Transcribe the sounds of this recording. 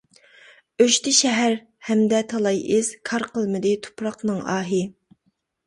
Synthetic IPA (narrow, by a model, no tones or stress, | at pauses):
øʃt̪ʰɪʃɛɦæɾ | hɛmd̪ɛt̪ʰɑlˠɑjɪz̥kʰɑɾqʰəlˠmɨd̪ɪt̪ʰo̥pʰɾɑqnɨŋɑ̰ːɦɪ